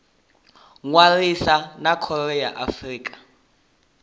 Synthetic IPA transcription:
ŋwarisanakʰɔrɛjaʔafriːkʼḁ

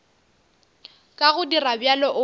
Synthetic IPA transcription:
kʼaɣʊdirabjalɔʔʊ

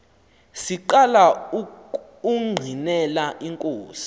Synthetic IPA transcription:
siǃala | uŋ͡ǃʱinɛlaʔiŋkʼoːsi̥

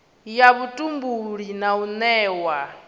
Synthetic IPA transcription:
jaβutʼumbuɺinaunɛːwa

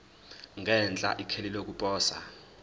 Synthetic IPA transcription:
ŋɡʱɛnt͡ɬʼa̰ʔikʰelilok̬upʼɔːsa̰

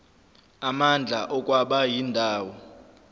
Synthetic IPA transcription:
amand͡ɮʱaʔɔk̬ʼwaɓajindʱaːwɔ

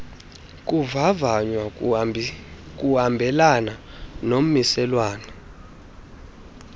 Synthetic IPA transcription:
k̬ʼuvavaɲwa | k̬ʼuhambʱɛlana | nom̩misɛlwaːnɛ

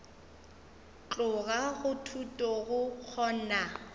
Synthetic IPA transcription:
t͡ɬʼʊɣaɣʊtʰutʼɔɣʊk͡xʰɔːna

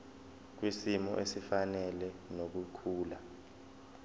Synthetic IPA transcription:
k̬wisimɔ̰ʔesifanɛlɛnok̬ukʰuːla

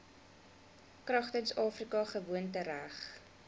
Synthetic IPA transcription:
krɐχtənsɑːfrikɑχəvuəntəɾæχ

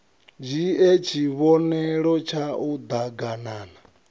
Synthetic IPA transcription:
d͡ʒiet͡ʃʰiβɔnɛɺɔt͡ʃʰaud̪aɡanaːna

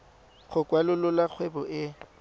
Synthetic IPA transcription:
χʰʊkʼwalʊlʊlak͡xʰwɛbɔʔɪ

